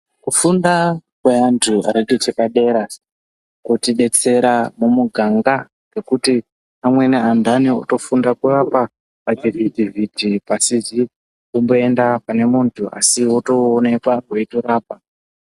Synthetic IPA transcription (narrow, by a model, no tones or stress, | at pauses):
kufundakweantʰua̰ɾeɡʱet͡ʃekaɗe̞ɾa | kutiɗe̞t͡se̞ɾamumuɡʱaŋɡa | ɡ̥e̞kuti | amwe̞neandʱanio̰to̞fundakurapa | padividʱivʱidʱipasizi | umbo̞e̞ndapane̞muntʰua̰siwoto̞ːne̞kwakweitoɾaːp̚a